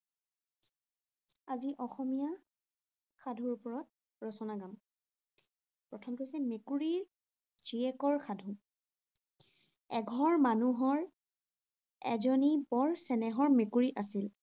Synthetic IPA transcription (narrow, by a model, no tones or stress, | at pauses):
aziʔɔxɔmija | xadʱuɹupɔɹɔt̚ | ɹɔsɔnaɡam | pɹɔtʰɔmtojsɛmekuɹiɹ | t͡ʃiɛkɔɹxʰadʱu | ɛɡʱɔɹmanuɦɔɹ | ɛ̰zɔnibɔɹsɛnɛɦɔɹmekuɹiʔasil